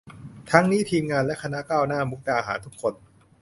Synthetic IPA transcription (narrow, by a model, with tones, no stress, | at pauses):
t̪ʰa˦˥ŋniː˦˥˩t̪ʰiː˧mŋaː˧nlɛ˦˥ʔkʰa˧na˦˥kaː˥˩wnaː˥˩mu˦˥k̚daː˧ɦa̰ː˩˦nt̪ʰu˦˥kʰːo˧n